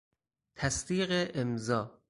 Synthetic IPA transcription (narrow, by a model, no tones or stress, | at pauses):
t̪ʰæsd̪iːɣeʔemzɒː